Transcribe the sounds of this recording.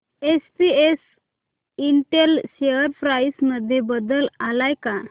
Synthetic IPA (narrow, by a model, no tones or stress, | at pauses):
est̪ies | iɳʈelɕeəɾfɾajsməd̪ʱːjebəd̪əlalajka